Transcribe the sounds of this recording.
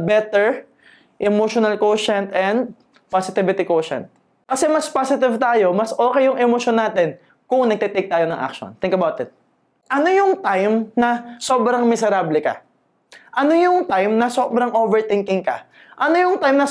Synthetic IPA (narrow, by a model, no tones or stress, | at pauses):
bɛt̪ɛɹ | ʔɛmoʃonɐlkowʃɛnt̪ʔɛnd̪̚ | pasɪt̪ɪvɪt̪ɪkoːʃɛ̰nt̪̚ | kɐsɛmɐspasɪt̪ɪvt̪aːjo̞mɐsʔo̞ːkɛjːʊŋʔɛmoʃonːaːt̪ɛn | kʊŋnɐɡ̚t̪ɛt̪ejk̚t̪aːjonɐŋʔa̰k̚ʃo̰nt̪ɪ̃ŋkɐbawt̪ɪt̪̚ | ʔɐno̞jʊŋt̪ajmnɐso̞ːbɾɐŋmɪsɛɾablɛkɐ̰ | ʔɐno̞jʊŋt̪ajmnɐso̞ːbɾɐŋʔoːvɛɹt̪ɪŋkɪŋkɐ̰ | ʔɐno̞jʊŋt̪ajmnɐ